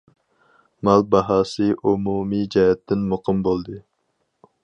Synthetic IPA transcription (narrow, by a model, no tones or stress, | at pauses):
mɑlˠbɑɦɑːsɨʔumumid͡ʒɛɦɛt̪ʰːɪnmoqʰɨmbolˠd̪ɨ